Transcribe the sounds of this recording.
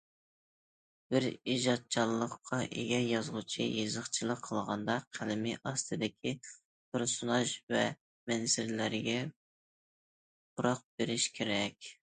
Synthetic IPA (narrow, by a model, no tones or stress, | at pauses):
b̥ɪɾiʒɑt̪̚t͡ʃʰɑlˠːəqʰːɑʔḛɡʲɛjɑzʁut͡ʃʰijezəχt͡ʃʰilˠəqʰəlˠʁɑnd̪ɑqʰælɪmiʔɑst̪ʰɨd̪ɪkʲʰi | t̪ʰʊɾsunɑʃvɛ | mɛnsɪɾlæɾɡʲɛ | buɾɑq̚b̥eɾɪʃkʲʰeɾɛkʲ